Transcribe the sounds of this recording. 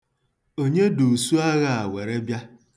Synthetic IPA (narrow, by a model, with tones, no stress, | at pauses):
o˦ɲe˦du˨su˦a˦ɣa˨a˨wʷe˨ɾe˦bja˦